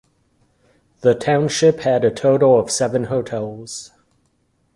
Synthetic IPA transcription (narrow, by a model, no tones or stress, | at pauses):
ðɨtʰãʊ̃nʃɪphɨɾɨtʰoʊɾl̩ˠʌv̥sɛvɨ̃nhoʊtʰɛlˠz̥